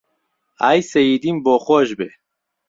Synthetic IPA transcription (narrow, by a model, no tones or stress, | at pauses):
ajseid̪imboχoʑbe